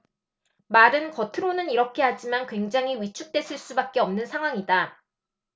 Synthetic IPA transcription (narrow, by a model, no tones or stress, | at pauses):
maɾɯnkʌtʰɯɾonɯniɾʌkʰe̞ɦad͡ʑimankwe̞ŋd͡ʑaŋɦiwɥit͡ɕʰuk̚t͈e̞sʰɯɭs͈ubak̚k͈e̞ʌmnɯnsʰaŋɦwaŋida